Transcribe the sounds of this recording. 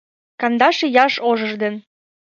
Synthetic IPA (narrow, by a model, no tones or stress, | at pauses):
kɑnd̪ɑʃĕjɑʃoʒə̆ʒd̪ə̆n